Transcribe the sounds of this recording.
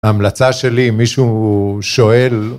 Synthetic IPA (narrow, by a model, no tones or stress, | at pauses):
aːmlat͡saʃe̞limiʃuʃo̞e̞l